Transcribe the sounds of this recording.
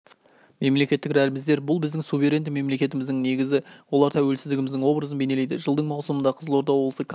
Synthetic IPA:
me̞mle̞kʲe̞t̪ːɪkɾælɪmɪzd̪e̞ɾbʊlˠbɪzd̪ɪŋsuvʲe̞ɾe̞nd̪ɪme̞mle̞kʲe̞t̪ɪmɪzd̪ɪŋne̞ɡʲɪzɪwo̞lˠɑɾt̪ʰæwe̞lsɪzd̪ɪɡʲɪmɪzd̪ɪŋwo̞bɾəzənbe̞ne̞lejd̪ɪʒəlˠd̪əɴmɑwsəmənd̪ɑqʰəzəlˠo̞ɾd̪ɑwoblˠəsəkʰ

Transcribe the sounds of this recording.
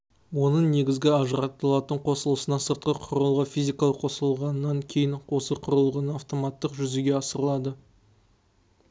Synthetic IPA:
wo̞nəɴne̞ɡʲɪzɡʲɪɑʒəɾɑt̪ːəlˠɑt̪əɴqʰo̞səlˠəsənɑsəɾt̪̚qəqʰʊɾəlˠʁəfʲijzʲijkɑlˠəqʰo̞səlˠʁɑnːɑŋkʲʰe̞jɪɴo̞səqʰʊɾəlˠʁənəaft̪o̞mɑt̪ːəqʒʏzeɡʲe̞ɑsəɾəlˠɑd̪ə

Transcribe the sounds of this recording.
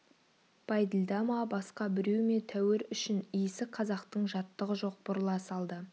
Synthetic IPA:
b̥ʰɑjd̪ɪlʲd̪ɑmɑbɑsqɑbɪɾewme̞t̪ʰæwɪɾʏʃɪnijɪsɪqʰɑzɑqt̪əɴʒɑt̪ːəʁəʒo̞q̚bʊɾlˠɑsɑlˠd̪ə

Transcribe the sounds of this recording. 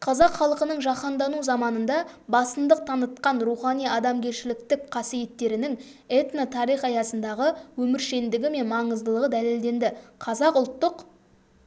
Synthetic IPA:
qʰɑzɑqχɑlˠəqənəɴʒɑqɑnd̪ɑnuzɑmɑnənd̪ɑ | bɑsənd̪əq̚t̪ʰɑnət̪̚qɑnɾuχɑnijɑd̪ɑmɡʲe̞ɾʃɪlɪkt̪ɪkqʰɑsije̞t̪ːe̞ɾɪnɪŋ | et̪not̪ʰɑɾijχɑjɑsənd̪ɑʁəwɵmɪɾʃe̞nd̪ɪɡʲɪme̞nmɑɴəzd̪əlˠəʁəd̪æle̞ld̪e̞nd̪ɪqʰɑzɑqʊlˠt̪ːəq

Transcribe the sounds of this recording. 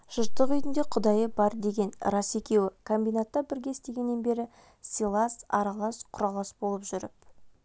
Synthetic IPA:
ʒ̥ʊɾt̪ːəqʏjt̪ɪnd̪e̞qʰʊd̪ɑjəbɑɾd̪e̞ɡʲe̞nrɑse̞kʲe̞wɪkʰombijnat̪ːɑbɪɾɡʲe̞ɪst̪e̞ɡʲe̞nːe̞nbe̞ɾɪ | silˠɑsɑ̰ɾɑlˠɑsqʰʊɾɑlˠɑsbolˠəpʒʏɾɪp̚

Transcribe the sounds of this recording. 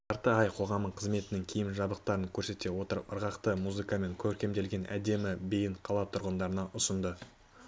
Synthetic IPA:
t̪ɑɾt̪əɑjqʰo̞ʁɑməɴqʰəzme̞t̪ɪnɪŋkʲʰijɪmʒɑbəq̚t̪ɑɾəŋkʲʰɵɾse̞t̪e̞wot̪əəɾʁɑqt̪əmuzɨkame̞ŋkʲʰɵɾkʲe̞md̪e̞lɡʲe̞nʔæ̰d̪e̞mɪbejɪɴqʰɑlˠɑt̪ʰʊɾʁənd̪ɑɾənɑʔʊsənd̪ə

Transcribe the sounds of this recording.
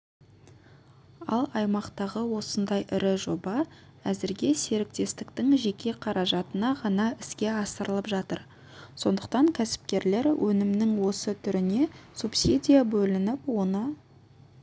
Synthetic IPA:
ɑ̰lˠɑjmɑqt̪ɑʁəwo̞sənd̪ɑjʔɪɾɪʒo̞bɑ | æzɪɾɡʲe̞se̞ɾɪk̚t̪e̞st̪ɪk̚t̪ɪŋʒe̞kʲe̞qʰɑɾɑʒɑt̪ənɑʁɑnɑɪskʲe̞ɑsəɾəlˠəpʒɑt̪əɾ | so̞nd̪əqt̪ɑŋkʲʰæsɪ̥pkʲe̞ɾle̞ɾwʔɵnɪmnɪŋwo̞sət̪ʰʏɾɪne̞supsʲid̪ʲijabɵlɪnɪpwo̞nə

